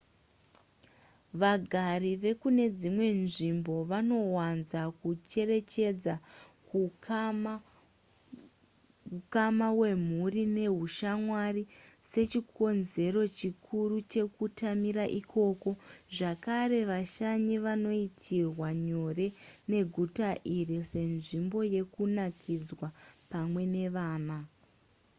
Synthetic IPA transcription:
ʋaɡʱaɾiʋe̞kune̞d͡zimwe̞nʐimbo̞ʋano̞wanzakut͡ʃe̞re̞t͡ʃe̞d͡zak | ukamawe̞m̤urine̞ɦuʃamwarise̞t͡ʃikʰo̞nze̞ɾo̞t͡ʃikʰurut͡ʃe̞kutamiɾaʔikʰo̞ko̞ʐakaɾe̞ʋaʃaɲiʋano̞itʰirwaɲo̞re̞ne̞ɡʱutaʔirise̞nʐimbo̞je̞kunakʰid͡zwapamwe̞ne̞ʋaːna

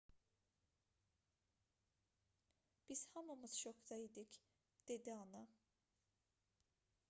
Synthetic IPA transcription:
b̥iz̥hɑmɯmɯz̥ʃoxd̪ɑid̪ic | d̪̥e̞d̪iɑnɑ

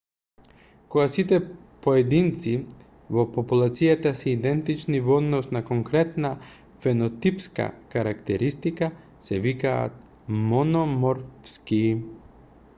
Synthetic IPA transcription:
koɡasit̪ɛ | poɛd̪int̪si | vopopulˠat̪sijat̪asɛid̪ɛnt̪it͡ʃnivɔd̪nɔsnakoŋkɾɛt̪na | fɛnot̪ipska̰kaɾakt̪ɛɾist̪ika | sɛvika̰ːt̪̚ | monɔmɔɾfski

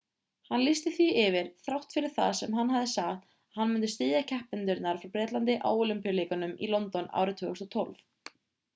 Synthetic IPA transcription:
hanlɪst̪ɪθviɪvɪɾ̥θɾawht̪fɪɾɪɾ̥θa̰ðsɛmɦanːɦaðɪsaxt̪ | hanːmʏnt̪ɪst̪ɪːðacʰɛhpɪnt̪ʏɾt̪naɾ̥fɾawpɾɛːt̪lant̪ɪʔa̰ːwolimpijaleːkanʏmḭlɔnt̪ɔna̰ːwɾɪt̪ʰvʏːɣʏst̪ɔt̪ʰɔ̰lf

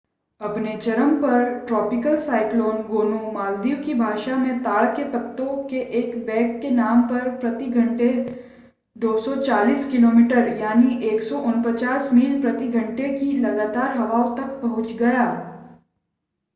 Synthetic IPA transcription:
ɐpnet͡ʃɐɾəmpɐɾʈɾɔːpɪkəlsaːɪkloːnɡoːnomaːld̪iːʋkibʱaːʃamẽt̪aːɭkepɐt̪ːõkeʔeːkbɛ̃ːkːenaːmpɐɾpɾɐt̪iɡʱɐ̃ɳʈe | d̪oːsɔt͡ʃaːliːskɪloːmiːʈəɾjaːniʔeːksɔʔʊnpət͡ʃaːsmiːlpɾɐt̪iɡʱɐ̃ɳʈekilɐɡaːt̪aːɾɦɐʋaːõt̪ɐk̚pɐɦʊt͡ʃɡɐjaː

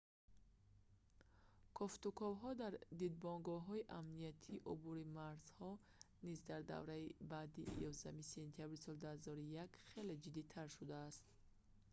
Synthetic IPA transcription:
kʰɔft̪ukʰɔvɦɔd̪aɾd̪id̪̚bɔŋɡɔɦɔiʔamnijat̪ʰiːʔubuɾimaɾz̥hɔ | nizd̪aɾd̪a̰vɾaibad̪ijɔzamise̞nt̪ʰijabɾisɔld̪uhazɔɾijakχe̞led͡ʒid̪it̪ʰaɾʃud̪aːst̪

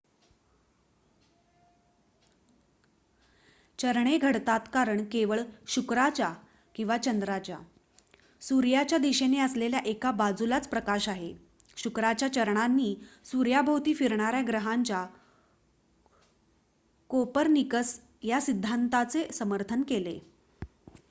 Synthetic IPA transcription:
t͡ɕəɾɳeɡʱəɽt̪at̪kaɾəɳkeʋəɭɕukɾat͡ɕa | kĩw̃ʋat͡ɕənd̪ɾat͡ɕja̰ | suɾjat͡ɕjad̪iɕeneəsleljaʔekabad͡zulat͡spɾəkaɕaɦe | ɕukɾat͡ɕjat͡ɕəɾɳanːiːsuɾjabʱəwt̪iːfiɾɳaɾjaɡɾəɦaɲt͡ɕja | kopəɾnikəs | jasid̪ʱːant̪at͡sesəməɾt̪ʰənkele

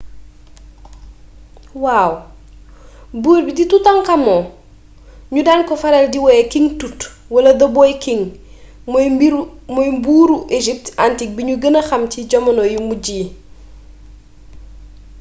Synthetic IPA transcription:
waːw | buːɾbiditutɐŋkɐmɔ | ɲudaːnkɔfɐɾɛldiwɛkiŋtut | wɐlɐdɐbɔjkiŋ | mɔjmbuːɾuʔeʒip̚tantik̚biɲuɡənɐxɐmciɟɔmɐnɔjumuɟiː

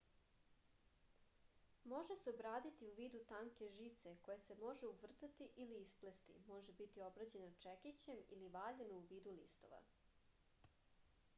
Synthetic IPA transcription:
mo̞ʒeseobɾaːd̪it̪iuʋiːd̪ut̪aːŋke̞ʒit̪sekojese̞mo̞ʒeuʋr̩t̪at̪iʔiliːsplest̪ḭmo̞ʒebit̪iobɾad͡ʑe̞not͡ʃekit͡ɕe̞mḭliʋaːʎenouʋiːd̪ulḭst̪o̞̰ʋa̰

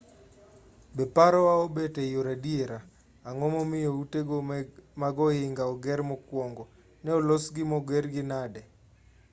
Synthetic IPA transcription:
bɛpaɾɔwaobetɛjoɾadieɾaː | ŋɔmɔmɪjouteɡomaɡɔhɪŋɡaɔɡɛɾmɔkwɔŋɡɔ | nɛɔlosɡɪmɔɡɛrɡɪnadɛ

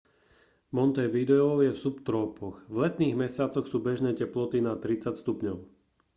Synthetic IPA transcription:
mɔnt̪ɛʋid̪ɛɔjɛfsupt̪ɾɔːpɔɣvlɛt̪niːɣmɛsɪat͡sɔxsuːbɛʒnɛːcɛplɔt̪inat̪ɾit͡sacst̪upɲɔʊ

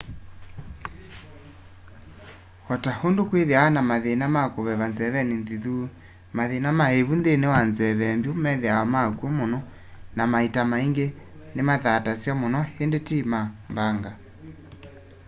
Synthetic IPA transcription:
hɔtahondokweðeanamaðenamakoβɛβanzɛβɛnenðiðu | maðenamaheβunðenewanzɛβɛmbjomɛðeaɔmakuɔmonɔ | namaitamaiŋɡe | nemaðatasjamonɔhendetimambaŋɡa

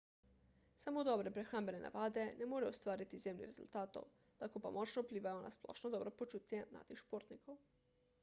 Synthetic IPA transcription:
samod̪ɔbɾepɾexɾambenena̰ʋaːd̪enɛmoɾɛost̪ʋaːɾit̪izjemnḭɾezṵlt̪aːt̪o̰w | t̪akopamʔɔt͡ʃnoupliːʋajona̰splɔ̰ːʃnod̪ɔːbɾopot͡ʃuːt̪jɛna̰ːt̪ixʃpoɾt̪nikʰow

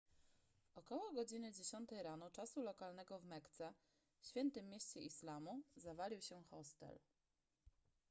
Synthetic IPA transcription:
ʔɔkɔwɔɡɔd͡ʑinɘd͡ʑeɕɔnt̪ɛjɾanɔt͡ʂasulɔkalnɛɡɔvmɛkt̪sɛ | fɕfʲɛnt̪ɘmʲːjeɕt͡ɕɛʔislamuzavalʲiwɕɛxɔst̪ɛ̰l

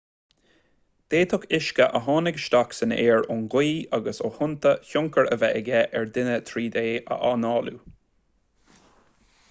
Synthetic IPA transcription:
d̪̥eːt̪ʰʊkʰɪʃkəʔəɦɑːnɪɡʃt̪aksənəeːɹʊnɡiːaɡəsohʊnt̪əçʊŋkəɹəvɛʔɛɡɛʔɛɹd̪ɪnət̪ʰɾiːd̪eːʔə̰ʔɑːnɑːlṵ

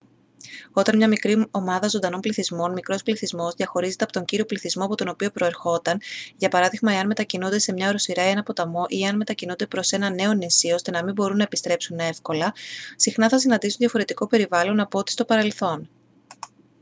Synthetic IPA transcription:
o̞t̪ɐnmɲɐmikɾio̞mɐðɐzo̞nd̪ɐno̞npliθizmo̞nmikɾo̞spliθizmo̞zðʝɐxo̞ɾize̞t̪epot̪o̞ɲɟiɾio̞pliθizmo̞ɐpo̞t̪o̞no̞pio̞pɾo̞e̞ɾxo̞t̪ɐnʝɐpɐɾɐðiɣmɐe̞ɐnme̞t̪ɐcinund̪e̞se̞mɲɐoɾo̞siɾɐe̞nɐpo̞t̪ɐmo̞ʔieɐnme̞t̪ɐcinund̪e̞pɾo̞se̞nɐne̞o̞nisio̞st̪e̞nɐmimbo̞ɾunːɐepist̪ɾe̞psune̞fko̞lɐsixnɐθɐs̬inɐnd̪isuðʝɐfo̞ɾe̞t̪iko̞pe̞ɾivɐlo̞nɐpoot̪i̥st̪o̞pɐɾe̞lθo̞n

